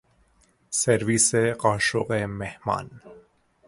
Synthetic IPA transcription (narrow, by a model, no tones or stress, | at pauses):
seɾviːseqɑːʃoqemehmɑ̰ːn